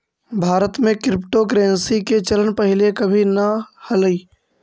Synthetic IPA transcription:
bʱaːɾət̪mẽkɾɪpʈokɾeːnsiket͡ʃɐlənpɐɦɪlekɐbʱinɐhɐləiː

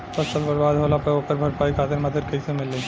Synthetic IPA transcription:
pɐst̪əlbɐɾbaːd̪ɦoːlapɐoːpəɾbʱɐɾpaːikʰaːt̪ɪɾmɐd̪əd̪̚kɐisemɪlːe

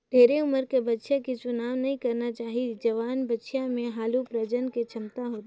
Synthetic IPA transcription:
d̪ʱeːɾeʊməɾkebətːʃãkit͡ʃʊnaːʋnɐɦĩkɐɾnat͡ʃaːɦid͡ʒɐʋaːnbətːʃijãmẽɦaːlupɾəd͡ʒənket͡ʃʰɐmt̪aɦot̪

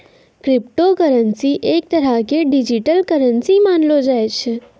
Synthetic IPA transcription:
kɾɪp̚ʈokəɾənsiʔek̚t̪əɾakeɖid͡ʒiʈəlkəɾənsimanlod͡ʒajt͡ʃʰe

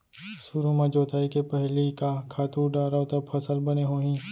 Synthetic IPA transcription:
sʊɾumɐ̃d͡ʒoːt̪aːikepɛɦlikakʰaːt̪uːɾɖaːɾat̪ɐpʰɐsəlbɐneɦoːɦĩː

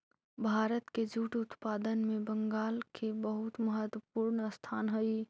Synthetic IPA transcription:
bʱaːɾət̪ked͡ʒuʈʊt̪paːd̪ənmẽbəŋɡaːlkʰebəɦʊt̪məɦət̪wəpuɾɳəst̪ʰaːnɦəj

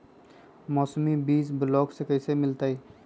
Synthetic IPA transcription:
mɔːsmibiːs̬bʊlɔːksekɐisemɪlt̪aːi

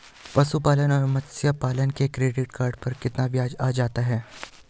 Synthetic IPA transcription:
pɐsupaːlənɔːɾmɐsjapaːlənkekɾeːɖɪʈkaːɾɖpɐɾkɪt̪naʋjaːd͡ʒaːd͡ʒaːt̪aɦɛː

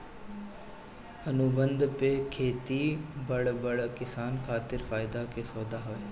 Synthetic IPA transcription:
ɐnʊbə̃nd̪pekʰeːt̪ibɐɽbəɽkɪsaːnkʰaːt̪ɪɾfaːjɪd̪akesoːd̪aɦoːe

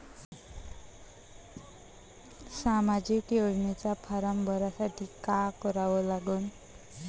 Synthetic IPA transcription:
samad͡zikoɽnet͡sapʰaɾambʱʌɾasaʈ̪ʰikakʌɾawolaɡon

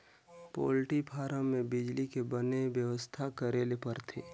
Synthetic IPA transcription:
po̰ːlʈipʰaːɾəːẽbɪd͡ʒlikebənebjəʋəst̪ʰakəɾeːlepəɾt̪ʰeː

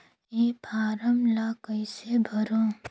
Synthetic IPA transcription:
epʰaːɾəmlakəɪsebʱəɾõ

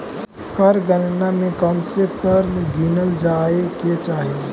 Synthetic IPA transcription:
kəɾɡənnamẽkɔmsekəɾmɡinəld͡ʒaːeket͡ʃaːɦie

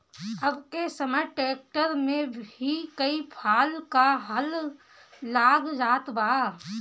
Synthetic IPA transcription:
ɐbkesəməʈeːk̚ʈəɾmẽbikəipʰaːlkaɦəlː | aːɡd͡ʒaːt̪baː

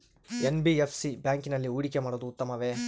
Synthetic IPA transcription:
enbiepʰsibjaːŋkinɐlːiuːɽikemaːɽod̪uːt̪ːɐmɐʋe

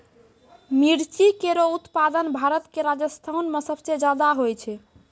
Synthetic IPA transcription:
miɽt͡ʃikeɾout̪pad̪ənbʱaɾət̪keɾad͡ʒəst̪ʰanmesəbsed͡ʒad̪aɦojt͡ʃʰɛ

